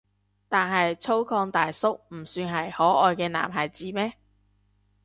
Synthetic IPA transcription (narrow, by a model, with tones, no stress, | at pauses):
t̪aː˨nɦɐ˨jt͡sʰo˥wkʰɔː˧ŋt̪aː˨jsʊ˥k̚m̩˨˩syː˧nɦɐ˨jhɔː˨˥ʔɔː˨jkɛː˧na̰ː˨˩mɦɐ˨˩jt͡siː˨˥mɛː˥